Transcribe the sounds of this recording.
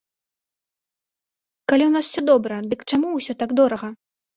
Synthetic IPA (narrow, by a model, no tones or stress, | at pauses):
kalʲiwnaswsʲɔd̪ɔbɾɐd̪ɨkt͡ʂamuwsʲɔt̪aɡd̪ɔɾɐɣɐ